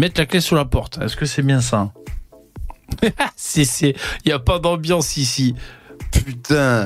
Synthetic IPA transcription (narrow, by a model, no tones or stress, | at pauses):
mɛt̪laklɛsuʁlapɔʁt̪ɛ̰skəsɛbjɛ̃s̬ã | sɛsɛijapad̪ɑ̃bjɑ̃sisipyt̪ɛ̃